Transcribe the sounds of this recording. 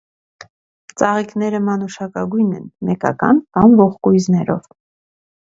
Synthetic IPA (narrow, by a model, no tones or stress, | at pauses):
t͡sɑʁikn̪ɛɾəmɑnuʃɑkɑɡujnɛ̰nmɛkɑ̰kɑ̰npɑnvɔχkujznɛɾɔ̰v